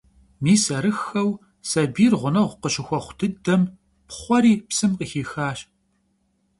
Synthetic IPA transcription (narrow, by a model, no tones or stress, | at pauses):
miːsɐɾɨxɐw | sɐbiːrʁʷʊnɐʁʷqəɕɪxʷɔχʷʊdʰɨdɐm | pχʷɔɾiːpsɨmqəxiːxaːɕ